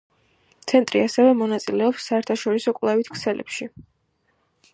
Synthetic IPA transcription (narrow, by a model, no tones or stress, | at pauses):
t̪sʰɛnt̪ʼɾḭasɛvɛmɔnat̪sʼilɛɔpsːaɛɾt̪ʰaʃɔɾisɔkʼvlˠɛvit̪ʰkʰsɛlɛ̰pʃi